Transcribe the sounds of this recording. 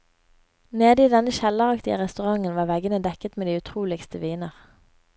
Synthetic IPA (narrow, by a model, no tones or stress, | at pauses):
neːd̪əiːd̪ɛnəʃɛlːəʁɑkt̪ɪə̰ʁɛst̪ʉʁɑŋənʋɑːʁʋɛɡənəd̪ɛkət̪meːd̪iːʉt̪ʰʁuːlɪkst̪əʋiːnəʁ